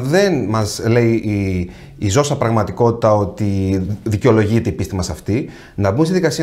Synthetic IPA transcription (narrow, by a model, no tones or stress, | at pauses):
ðe̞nmɐzle̞i | izo̞sɐpɾɐɣmɐt̪iko̞t̪i̥t̪ɐo̞t̪iðiceo̞lo̞ʝit̪e̞ipist̪imɐsɐft̪i | nɐbumsiðikɐsi